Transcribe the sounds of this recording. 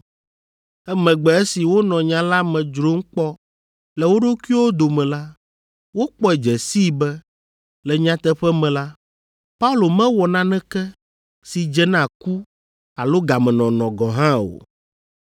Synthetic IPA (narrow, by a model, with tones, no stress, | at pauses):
ɛ˦mɛ̃˨ɡ͡bɛ˨ɛ˦si˨wo˦nɔ̃˨ɲã˨la˦mɛ̃˨d͡ʒɾo˦ŋ̩˦k͡pɔ˦ | lɛ˨wo˦ɖo˦ku˦i˦wo˦d̪o˨mɛ̃˨la˦ | wo˦k͡pɔ˦ɛ˨d͡ʒɛ˨si˦˨bɛ˦ | lɛ˨ɲã˦t̪ɛ˦ɸɛ˦mɛ̃˨la˦ | pa˦u˦lo˨mɛ̃˦wɔ˨nã˦nɛ̃˦kɛ˦ | si˨d͡ʒɛ˦nã˨ku˦ | a˨lo˦ɡa˨mɛ̃˨nɔ̃˨nɔ̃˨ɡɔ̃˨ɦã˦o̰˨